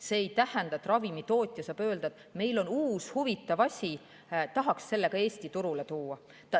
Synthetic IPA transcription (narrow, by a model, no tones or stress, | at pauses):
se̞ːejt̪æhɛnd̪ɑt̪ːˑrɑvimit̪o̞ːt̪ʲːˑjɑsɑpø̞ːld̪ɑd̥̪me̞jlo̞nuːshuvit̪ːˑɑvɑsʲi | t̪ɑɦɑksse̞lːe̞ɡ̥ɑe̞ːsʲt̪it̪uɾule̞t̪uːɑ | t̪ɑ